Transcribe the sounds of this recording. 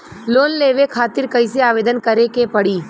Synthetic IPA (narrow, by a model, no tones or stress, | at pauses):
loːnleːʋekʰaːt̪ɪɾkəɪseaːʋeːd̪ənkəɾekepɐɽiː